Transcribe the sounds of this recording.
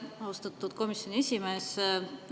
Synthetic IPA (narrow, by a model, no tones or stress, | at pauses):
oːst̪ɑt̪ːˑud̪̥ko̞misjo̞nʲiesʲime̞ːs